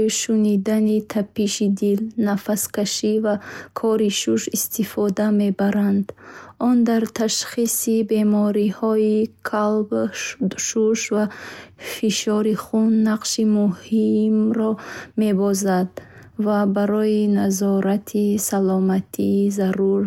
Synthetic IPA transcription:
iʃunid̪anit̪ʰapʰiʃid̪ilnafaskaʃivakʰɔɾiʃuʃist̪ifɔd̪ame̞baɾand̪ɔnd̪aɾt̪ʰaʃχisibe̞mɔɾihɔikʰalb | ʃuʃvafiʃɔɾiχunːaqʃimuhimɾɔme̞bɔzad̪ | vabaɾɔinazɔɾat̪ʰisalɔmat̪ʰizaɾuɾ

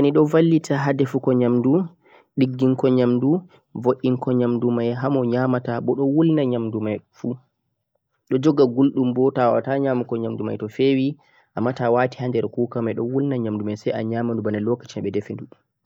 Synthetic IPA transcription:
aniɗɔvalːitʰaɦadɛfukɔɲamdu | ɗiɡːiŋkɔɲamdu | voʔːiŋkɔɲamdumajɦamɔɲaːmataɓɔɗɔwulnaɲamdumajfu | ɗɔd͡ʒɔɡaɡulɗumbɔtawa̰taɲamukɔɲamduma̰jtɔfewi | ʔamːatawati̥handɛɾkuːkamajɗɔwulnaɲamdumajsaja̰ɲamandubanalɔkḁt͡ʃinaɓɛdɛfenduɗ

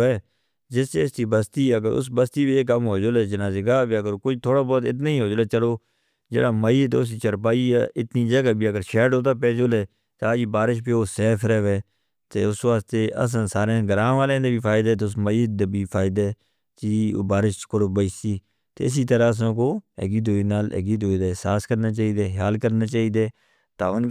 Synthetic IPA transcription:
ɛː | d͡ʒɪst͡ʃeːst̪iːbəst̪iːəɡəɾʊ̰s̬bəst̪iːbieːkːəmɦoːd͡ʒoːlɛːd͡ʒɪnãːd͡ʒɪɡaːbiːəɡəɾkoːiːt̪ʰoːɽaːbɔːt̪ɪt̪̬naːĩːɦoːd͡ʒːlaːt͡ʃəloː | d͡ʒḛːɽaːməiːt̪ːʊsiːt͡ʃəɾp̬aːiːɛːʔɪt̪nĩːd͡ʒəɡaːbiːəɡəɾʃɛːɖɦoːt̪aːp̬ɛːd͡ʒoːlɛː | t̪eaːd͡ʒiːbaːɾɪʃ̬biːoːsɛːpʰɾɛːʋeː | t̪eːʊsʋaːst̪eːʔə̰s̬ãːsaːɾãɡəɾãːʋaːlẽːd̪eːbiːpʰaːɪd̪ɛːt̪ːʊs̬məiːd̪ebiːpʰaːɪd̪eː | t͡ʃiːbaːɾɪʃkʊɽbəiːsiː | t̪ḛːɪs̬iːt̪əɾaːəs̬ãːkoːɛ̰ːɡiːd̪oːiːnaːlɛ̰ːɡiːd̪oːiːd̪aːɪsaːskəɾnaːt͡ʃaːiːd̪eːɦaːlkəɾnaːt͡ʃaːiːd̪eː | t̪aːʊn

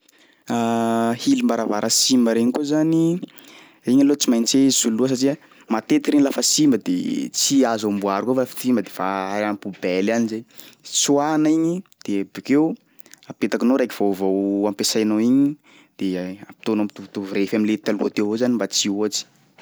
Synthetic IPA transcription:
ahilimbaɾavaɾʔəsimbəɾeɲikozani | iɲalot͡simajnt͡sesuluəs̬aʈ͡ʂia | mat̪et̪i̥kiɾeɲilafəsimbəd̪ḛt͡siazambuaɾukofafi̥t̪simbəd̪evaɾampubɛlanizet͡suanaiɲid̪̥ebikew | apet̪akinoɾajki̥v̥owvowampesajnoiɲi | d̪̥eapi̥t̪onamit̪ut̪uvuɾefaminlet̪aluat̪ewozanimbat͡sioat͡si̥

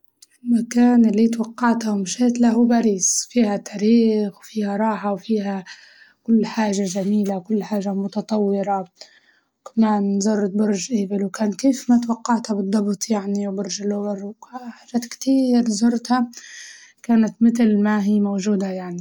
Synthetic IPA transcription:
ʔɪlmakaːnɪlːit̪wɑqːɑʕt̪awmɪʃeːt̪laɦubaɾiːsfiːhat̪ːaɾiːxwfiːhaɾˤɑːħawfiːɦa | kʊlːħaːʒaʒamiːlawkʊlːħaːʒamʊt̪ɑt̪ˤɑwːɪɾa | wkḁmaːnzʊɾˤt̪̚bʊɾʒʔɪːbɪlwkaːnkeːfmat̪wɑqːɑʕt̪habɨd̪ˤːɑbt̪ˤjaʕniwbʊɾʒalʊbɪɾħaːʒːaːt̪kt̪iːɾzʊɾˤt̪ha | kaːnat̪mɪt̪lmaɦiːmowʒuːd̪ajaʕni

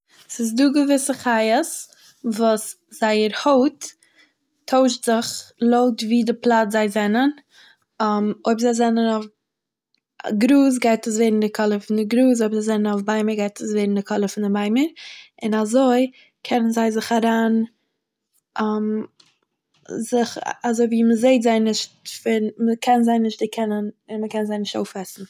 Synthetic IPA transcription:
sɪsduːɡəvɪsəχajəs | vuːs | z̥aɪəɾhoʊtʰː | oʊʃtz̥ɪχlˠoʊtviːdɪplˠatzaɪzɛnən | moɪbzaɪzɛnənɔf | ɡɾuːs̬ɡaɪtəs̬veɪɾn̩dɪkʰɔlˠəfɪndɪɡɾuːs̬oɪbzaɪzɛnənɔfbaɪməɾɡaɪtəsveɪɾn̩dɪkʰɔlˠəfɪndɪmaɪməɾ | ɪnazoɪ | kʰɛnənzaɪzɪχaɾaːn | am | zɪχazoɪviːməzeɪtzaɪnːɪʃtfɪnməkʰɛnzaɪnɪʃtdɪkʰɛnənɪnməkɛnzaɪnɪʃto̰ʊfɛsn̩

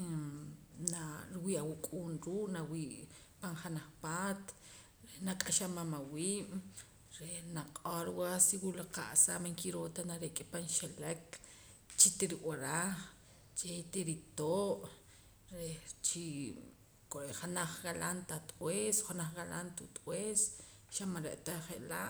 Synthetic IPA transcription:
naɾwiʔawukʼuːnɾuːkʼnawiːʔ | panχanaχpaːt̪ | ɾenakʼaʃamamawiːɓ | ɾenaqʼoɾwasiwulaqa̰ʔsamaŋkiɾoːt̪anaɾekʼepanʃelek | t͡ʃit̪iɾikaɾaχ | t͡ʃet̪iɾit̪oːʔ | ɾet͡ʃi | koɾeχanaχɡalʔant̪at̪ʼwesχanaχɣalʔa̰nt̪ut̪ʼweːs | ʃamaɾeʔt̪aχeʔlaʔ

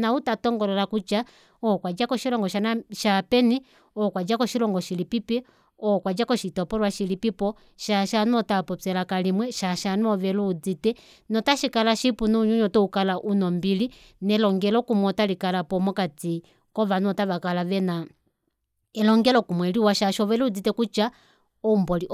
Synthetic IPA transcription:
nautatɔŋɡɔlɛlakut͡ʃa | ɔkwad͡ʒakɔʃilɔŋɡɔʃanaʃapɛni | ɔkwad͡ʒakɔʃilɔŋɡɔʃilipipɛ | ɔkwad͡ʒakɔʃitɔpɔlwaʃilipipɔ | ʃaʃanɔtapɔpɛlakalimwɛʃaʃanɔʋɛluud͡zitɛ | nɔtaʃikalaʃipunuɲuɲɔtɔukalaʔunɔmbili | nɛlɔŋɡɛlɔkumwɔtalikalapɔmɔkati | kɔβanɔtaβakalaʋɛna | ɛlɔŋɡɛlɔkumwɛliwaʃaʃɔβɛlɛud͡zitɛkut͡ʃa | ɔmbɔliʔ

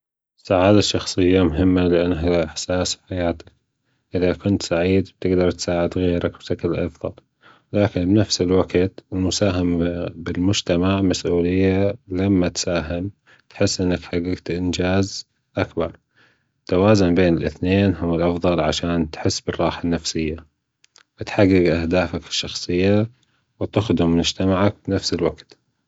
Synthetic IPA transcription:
saʕaːd̪aʃːɑxsˤɨjːamʊɦɪmːalɪʔanːɦaaʔɪħsaːswħajaːt̪ḁk | ʔɪðakʊnt̪saʕiːd̪b̥̚t̪ɪɡd̪ɑɾˤt̪saːʕɪd̪ɣeːɾak̚bʃaklʔɑ̰fðˤɑ̰l | laːkɪnbnafsɪlwaɡt̪ɪlmʊsaːɦɪmbɪlmʊd͡ʒt̪amaʕmasʔuːlɪjːalamːat̪saːɦɪm | t̪ħɪsːʔɪnːakħaɡːɪɡt̪ʔɪnd͡ʒaːz | ʔakbɑɾˤ | t̪ːawaːzʊnbeːnɪlʔɪ̰θneːnɦʊwɪlʔɑfðˤɑlʕaʃaːnt̪ħɪsːbɪrˤːɑːħanːafsɪjːa | wɪt̪ħaɡːɪɡʔahd̪aːfakɪ̥ʃːɑxsˤɨjːa | wɪt̪ʊxd̪ʊmmʊd͡ʒt̪amaʕak̚bɪnafsɪlwaɡt̪

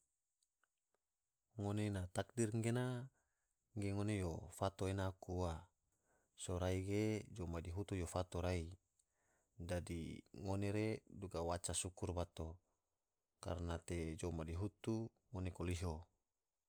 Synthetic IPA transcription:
ŋonenat̪ak̚dirŋɡena | ŋɡeŋonejofat̪oenakua | soɾaiɡed͡ʒomadiɦut̪ujofat̪oɾai | dadḭŋoneɾeduɡawat͡ʃasukurbat̪o | ka̰rnat̪ed͡ʒomadiɦut̪u | ŋonekoliɦo

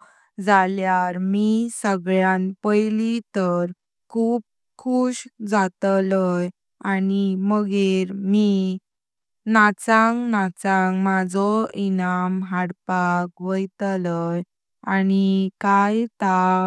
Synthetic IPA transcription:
d͡zaljaɾmisəɡɭjãnpəjlit̪əɾ | kʰuːp̚ | kʰuːɕd͡zat̪ləj | animəɡeɾmi | nat͡sãŋknat͡sãŋkmad͡zɔinamɦaɽpakʋəjt̪ləj | anikajt̪a

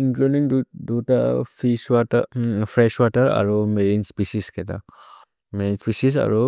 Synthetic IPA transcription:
ĩŋkludĩŋddota̰fiʃwɔtəfɹɛʃwɔtəɾa̰ɹomelĩnspisiskɛta̰ | mɛinspisis̬a̰ɹo

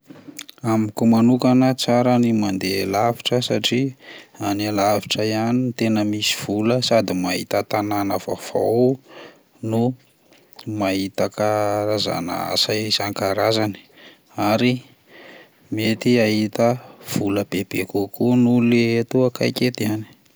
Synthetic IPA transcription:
amikumanukanət͡saɾanimand̪elaviʈ͡ʂəsaʈ͡ʂianalaviʈ͡ʂəjanint̪enəmisi̥v̥uləsad̪imaɦḭt̪ət̪ananəva̰v̥a̰w | nu | maɦit̪akaɾaza̰na̰a̰sazaŋkaɾazani̥ | aɾi | met̪iaɦit̪əv̥uləb̥eb̥ekukunuleet̪uaka̰jket̪iani̥

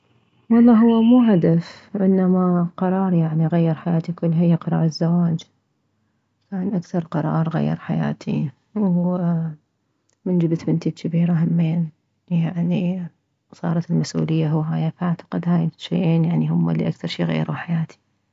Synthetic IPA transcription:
wɑlˤːɑːɦʊwːamuːɦad̪afʔɪnːamaqɑɾˤɑːɾˤjaʕniɣajːɪɾħajaːt̪ikʊlːɪjːaqɑɾˤɑ̰ːɾˤɪzːawaːd͡ʒ | kaːnʔakθɑɾˤqɑɾˤɑ̰ːɾˤɣa̰jːɪ̰ɾˤħaja̰ːt̪ʰḭ | w | mɪnd͡ʒɪbt̪mɪnt̪ikɪbiːɾaɦamːeːn | jaʕni | sˤɑ̰ːɾˤɑt̪ɪlmasʔṵːlɪjːaɦʊwːɦaːjafʔaʕt̪ḁqɪd̪haːjʃḛːʔeːnjaʕnihʊmːa̰lːḭʔakθɑɾˤʃḭːɣa̰j̰ːɾa̰wħajaːt̪ʰi̥

